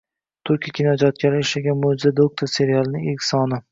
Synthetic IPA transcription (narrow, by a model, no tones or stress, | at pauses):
t̪ʰʊɾkʲʰakʲʰinɒd͡ʒɒt̪̚kʲʰaɾɪɪʃaɡʲanmod͡ʒɪzad̪ok̚t̪ʰoɾse̞ɾijalˠɪnɪŋʲekʲsɒnɪ